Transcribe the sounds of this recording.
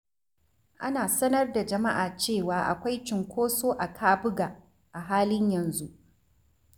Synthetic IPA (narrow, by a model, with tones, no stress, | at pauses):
ʔa˦naː˨sɐ˦nɐ˦rda˨d͡ʒɐ˨ma˦ʔaː˨t͡ʃeː˦˨waː˨ʔa̰˨kʷa˦jt͡ʃɪ˨ŋkʷoː˦soː˦ʔa˨kʰaː˦bʊ˦ɡa˨ | ʔa˨ɦaː˦lɪ˦ɲjɐ˨nzu˦ʔ